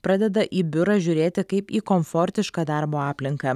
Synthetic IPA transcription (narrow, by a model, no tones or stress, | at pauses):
pɾɐd̪ʲɛd̪ɐʔʔiːbʲʊɾɐːʒʲʊːɾʲeːt̪ʲɪkɐɪpiːkomfɔɾʲt̪ʲɪʃkɐd̪ɑɾboːɑːpʲlʲɪŋkɐ